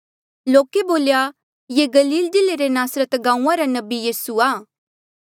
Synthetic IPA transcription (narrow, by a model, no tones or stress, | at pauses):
loːkeboːlja | jeɡɐliːld͡ʒɪleɾenaːsɾət̪ɡãːũãɾanɐbijiːsuaː